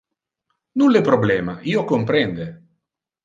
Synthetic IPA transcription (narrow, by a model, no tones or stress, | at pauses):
nunlepɾoblɛːmaiːokompɾɛnd̪e